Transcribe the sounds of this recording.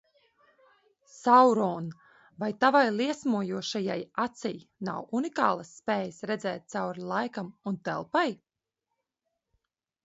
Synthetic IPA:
sawɾɔːn | vajt̪avajlˠiɛsmuɔjuɔʃajajat̪sɛjna̰wunikaːlˠasːpeːjəsɾɛd̪zɛːt̪̚t̪sawɾilˠajkamunt̪ɛ̰lˠpaj

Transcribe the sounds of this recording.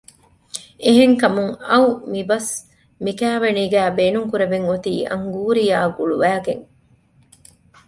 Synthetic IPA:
eɦeŋkɐmuŋɐumibɐs | mikæːʋeniːɡæːbeːnuŋkuɾeʋeŋot̪iːɐ̰ŋɡuːɾijaːɡuɭuʋæːɡeŋ

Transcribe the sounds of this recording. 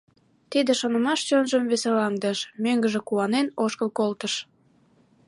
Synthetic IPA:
t̪id̪eʃonə̆mɑʃt͡ɕønʒəmβeselɑŋd̪əʃmøŋɡəʒĕkuɑnenoʃkəlkolt̪əʃ

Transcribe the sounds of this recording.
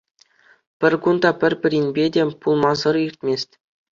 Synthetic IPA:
pʲɘ̆rʲɡund̪ɑpʲɘ̆rʲpʲɘ̆ɾʲinʲbʲedʲepulˠmɑzɤ̆rirʲt̪ʲmʲesʲtʲ

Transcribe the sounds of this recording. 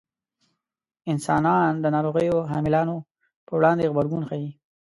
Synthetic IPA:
ɪnsɑnɑnd̪ənɑɾoɣəjoɦɑmɪlɑno | pəwɽɑnd̪eɣbaɾɡunxai

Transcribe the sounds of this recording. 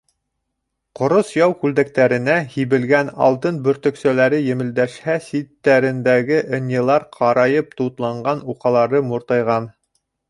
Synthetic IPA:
qŏɾosjɑwkʉld̪æk̚t̪æɾɘ̆næhiβɘ̆lɡænɑ̰lˠt̪ɤnbɵ̆ɾt̪ɵ̆ksælæɾɘjɘ̆mɘ̆ld̪æʃhæsit̪ːæɾɘ̆nd̪æɡɘʔɘ̆nʲjɤ̆lˠɑɾqʰɑɾɑjɤp̚t̪ut̪lˠɑɴɢɑnuqɑlˠɑɾɤmuɾt̪ɑjʁɑn

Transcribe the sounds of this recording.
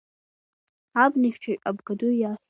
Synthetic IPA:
abniχʲt͡ʃʰaɥʼabɡaduja

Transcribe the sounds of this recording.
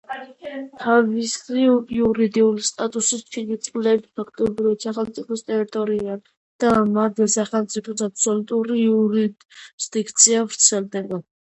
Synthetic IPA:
t̪ʰavisiuɾid̪iulist̪ʼat̪ʼusit͡ʃʰid̪it̪sʼqʼlɛbipʰakʰt̪ʼɔbɾivat̪saχɛlˠmt̪sʼipʰɔst̪ʼɛɾit̪ʼɔɾia | d̪̥amad̪ɛsaχɛlˠmt̪sʼipʰɔsapsɔlut̪ʼuɾiuɾid | zd̪ikʰt̪sʰiavɾt̪sʰɛld̪ɛba

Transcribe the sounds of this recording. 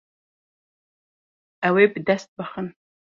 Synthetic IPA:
awebɨd̪æst̪̚bɐχən

